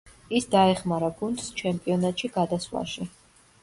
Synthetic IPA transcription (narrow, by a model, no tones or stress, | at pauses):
isd̪aɛχmaɾaɡund̪st͡ʃʰɛmpʼiɔnat̪ʼʃiɡad̪asla̰ʃi